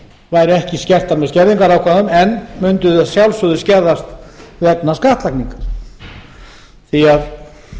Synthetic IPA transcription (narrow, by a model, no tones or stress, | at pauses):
vaːjɾʏɛhcɪscɛr̥t̪aɾmɛðscɛɾðiŋkaɾawkʰvaðʏmɛnːmʏnt̪ʏaðsjawlsʏðʏscɛɾðast̪vɛp̚naskaht̪lakniŋkaɾ̥ | θiað